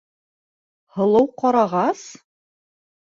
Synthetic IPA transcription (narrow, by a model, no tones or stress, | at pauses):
hɤ̆lˠɤwqɒɾɑʁɑs